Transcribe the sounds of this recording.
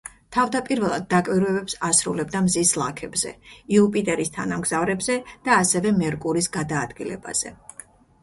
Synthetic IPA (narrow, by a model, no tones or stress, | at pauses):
t̪ʰavd̪apʼiɾvɛlˠa̰d̪̚ːakʼviɾvɛbɛpsasɾṵlɛb̚d̪amzislˠa̰kʰɛbzɛ̰iupʼit̪ʼɛɾist̪ʰanamɡz̥avɾɛbzɛd̪̥aːsɛvɛmɛɾkʼuɾisɡad̪aːd̪ɡilɛ̰ba̰z̥ɛ̰